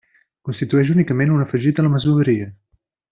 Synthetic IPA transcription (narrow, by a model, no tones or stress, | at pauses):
kunst̪it̪uɛʃ̬unikəmenunəfəʒit̪ələməzuəɾiə